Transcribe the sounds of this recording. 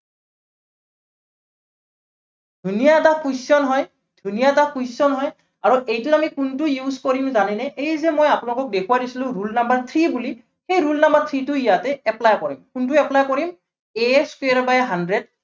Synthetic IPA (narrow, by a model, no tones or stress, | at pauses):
d̥ʱunijatakujsɔnɦɔj | d̥ʱunijatakujsɔnɦɔj | aɹuʔejtʊamikuntʊjuzkoɹimzanɛnɛʔejzɛmojapunlɔkɔk̚dekʰuwadisilʊ̃ɹulnambaɹt̪ʰɹibuli | xejɹulnambaɹt̪ʰɹitʊijatɛɛplajkɔɹimkunt̬ʊɛplajkɔɹim | ɛskwɹbajɦandɹɛd̚